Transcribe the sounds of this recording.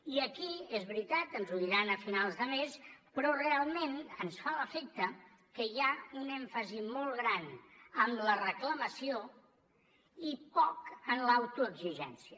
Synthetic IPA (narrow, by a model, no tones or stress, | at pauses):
iəkiezβɾit̪at̪ənzuðiɾanəfinalˠzðəmespɾɔrealˠmenənsfaləfek̚t̪ə | kəjaunɛɱfəzimɔlˠɣɾanəmlərəkləməsio | ipɔkənlawt̪uəɡziʒɛ̰nsiə